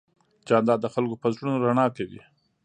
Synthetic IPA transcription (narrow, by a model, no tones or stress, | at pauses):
t͡ʃɑnd̪ɑd̪əxalkopəzɽunoɾaɳɑkawḭ